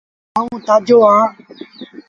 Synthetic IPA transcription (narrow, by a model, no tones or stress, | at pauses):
aːũːt̪aːd͡ʒʱoːãː